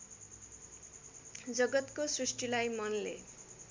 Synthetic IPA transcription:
d͡zʌɡʌt̪kosrisʈilajmʌnlḛ

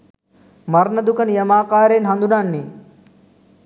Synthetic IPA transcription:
maɾnəd̪ukənijɐmaːkaːɾeːnɦand̪unanːi

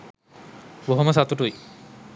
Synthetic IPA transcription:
boɦoməsat̪uʈuj

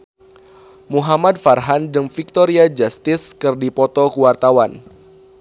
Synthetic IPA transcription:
muɦamad̪farɦandɨŋfik̚t̪ɔɾiad͡ʒast̪ɪskɨrdipɔt̪ɔkuwart̪awan

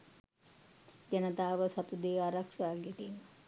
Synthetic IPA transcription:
d͡ʒanət̪aːʋəsat̪ud̪eːaɾakʂaːɡet̪inə

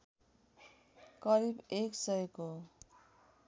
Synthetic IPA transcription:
kʌɾibeksʌjeko

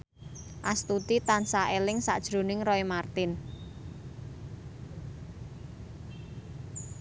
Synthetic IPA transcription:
ʔast̪ut̪it̪ansaʔelɪŋsa̰ʔd̥ʒ̥ɾo̤nɪŋrɔimart̪ɪn

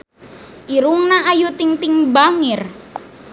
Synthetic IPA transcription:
ʔiɾuŋnaajut̪iŋt̪iŋbaŋɪr

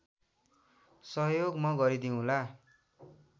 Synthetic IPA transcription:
sʌɦjoɡmʌɡʌɾid̪iũla

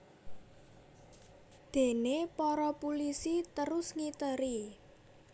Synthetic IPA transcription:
d̪̥e̤nepɔɾɔpulisit̪əɾʊsŋit̪əɾi

